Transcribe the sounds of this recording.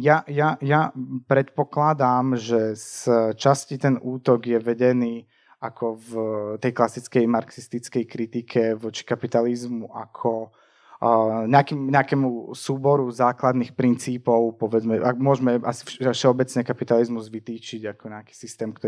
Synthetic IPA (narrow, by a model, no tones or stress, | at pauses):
jajajapɾɛt̪pɔklad̪aːmʒɛst͡ʃascit̪ɛnuːt̪ɔɡjɛʋɛɟɛniː | akʰɔvt̪ɛjklasit͡skɛjmaɾksist̪it͡skɛjkɾit̪ikʰɛʋɔt͡ʃi̥kapit̪alizmuʔa̰kʰɔ | ɲɛakiːmɲɛakɛːmusuːbɔɾuzaːklad̪nixpɾint͡siːpɔʊpɔʋɛd͡zmɛʔa̰mʊɔʒmɛʔa̰si̥fʃɛɔbɛt͡sɲɛkapit̪alizmuzʋit̪iːt͡ʃiɟakɔɲɛaki̥ːsist̪ɛːmkt̪ɔ